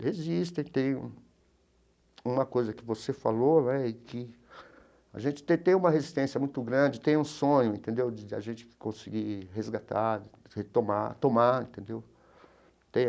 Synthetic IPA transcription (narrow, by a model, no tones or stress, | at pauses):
hezist̪ẽj̃t̪ẽj̃ũ | ũmɐkojzɐkɪvosefalonɛɪkɪ | a̰ʒẽnt͡ʃɪ̥t̪ẽt̪ẽj̃ũmɐhezist̪ẽsjɐmũj̃t̪ʊɡɾɐ̃nd͡ʒɪt̪ẽj̃ũsõɲʊẽnt̪ẽnd̪ewd͡ʒɪd͡ʒɪa̰ʒẽnt͡ʃɪ̥kɪ̥kõsɪɡiɦezɡat̪aɾɪ | het̪omat̪õmaẽnt̪ẽnd̪ew | t̪ẽj̃